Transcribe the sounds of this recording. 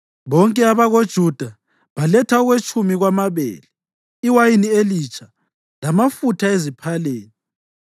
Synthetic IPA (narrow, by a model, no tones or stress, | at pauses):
βɔŋkʼɛaβaɣod̥ʒ̥ʱud̥ʱa | βalɛtʰaɔɣwet͡ʃʼumiɣwamaβɛ̰ːlɛ | iwajinielit͡ʃʰʼa | lamafutʰaezipʰaleːni